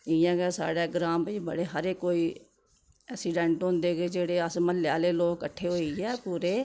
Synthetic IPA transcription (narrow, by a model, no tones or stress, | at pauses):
ɪjãːɡɛːsa̰ːɽeːɡɾãːmbəbə̰ɽeːɦəɾeːkoːiː | ɛːksiːɖɛ̃ːɳʈɦõnd̪eːɡeːd͡ʒeːɽeːəsməlɪjaːleːloːkkəʈʰːeːɦoːiːɛːpuːɾeː